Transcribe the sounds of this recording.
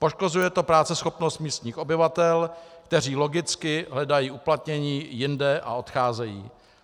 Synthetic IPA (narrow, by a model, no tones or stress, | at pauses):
po̞ʃko̞zujɛt̪o̞pɾaːt͡sɛsxo̞pno̞st̪̚miːst̪ɲiːxo̞bɪvat̪ɛlkt̪ɛriːlo̞ɡɪt͡skɪɦlɛdajiːʔuplat̪ɲɛɲiːjɪndɛʔa̰o̞t̪xaːzɛjḭː